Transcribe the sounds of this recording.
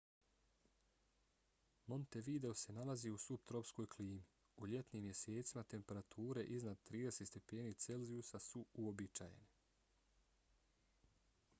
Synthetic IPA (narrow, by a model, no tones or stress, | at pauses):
mo̞nt̪e̞ʋid̪e̞ose̞nalaziusup̚t̪ɾo̞psko̞jkʰliːmi | uʎe̞t̪niːmje̞se̞ːt̪simat̪e̞mpe̞ɾat̪ʰuːɾe̞ʔiznad̪̚t̪ɾiːd̪e̞set̪st̪e̞pe̞ːniːt̪se̞lziusasuuobit͡ʃa̰je̞̰ne